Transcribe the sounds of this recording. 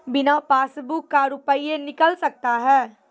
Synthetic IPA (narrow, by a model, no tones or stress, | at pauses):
bɪnapaːsbukːaɾʊpəienɪkəlsɐk̚t̪aɦɛː